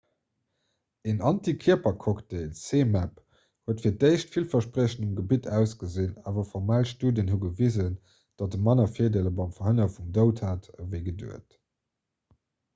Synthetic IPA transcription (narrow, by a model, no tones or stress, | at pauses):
enʔɑntikʰiɐpɐkʰɔkteɪlseːmæp | huətfiːɐdeɪʃtfilfɐʃpʁəɕənumɡəbitʰæʊsɡəzinaːvɐfɔʁmaːlʃtuːdənhuɡəvizən | d̥ɑt̚əmɑnɐfiːɐdeləbɑmfɐɦənɐfumdəʊthaːtəvəɪɡədṵət